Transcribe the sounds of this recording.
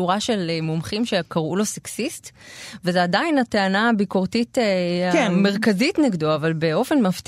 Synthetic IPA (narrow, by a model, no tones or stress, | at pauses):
uʁaʃe̞lemomχimʃe̞kaʁulo̞seksistvezeadajnateanabiko̞ʁtitekme̞ʁkazitneɡdoaːvalbe̞o̞fe̞nmaft̪